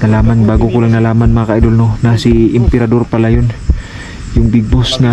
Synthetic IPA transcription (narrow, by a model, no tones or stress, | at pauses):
nɐlaːmanbaːɡokolaŋnɐlaːmanmɐŋakaʔajd̪olnonasiʔɪmpɛɾad̪o̞ɾpɐlajon | jʊŋbɪɡ̚bosŋa